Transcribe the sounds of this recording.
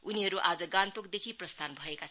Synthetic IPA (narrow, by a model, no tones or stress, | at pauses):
uniɦʌɾuʔad͡zʌɡãnt̪ok̚d̪ekʰiprʌst̪ʰanbʱʌekat͡sʰ